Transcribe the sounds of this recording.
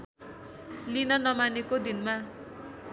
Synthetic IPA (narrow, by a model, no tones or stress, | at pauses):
linʌnʌmanekod̪inma